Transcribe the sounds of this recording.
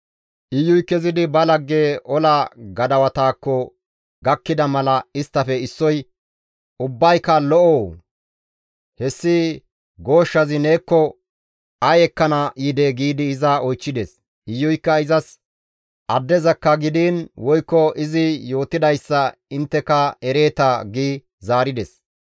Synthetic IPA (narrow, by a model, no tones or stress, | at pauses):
ʔɪjːʊjkːɛzɪd̪ɪbɐlɐɡːeːʔɔlaɡɐd̪ɐwɐt̪aːkːɔ | ɡɐkːɪd̪ɐmɐlɐɪst̪ːɐfɛɪsːɔj | ʊbːɐjkɐlɔʔoː | hɛsːɪ | ɡo̞ːʃːɐzɪne̞ːkːɔ | ɐjɛkːɐnɐʔːd̪eɡiːd̪ɪːzɐɔjt͡ʃːɪd̪ɛs | ɪjːɔjkːɐɪzɐs | ʔɐd̪ːɛzɐkːɐɡɪd̪iːnwɔjkːɔɪzɪjo̞ːt̪ɪd̪ɐjsːɐɪnt̪ːɛkɐɛɾe̞ːt̪aɡiː | zaːɾɪd̪ɛs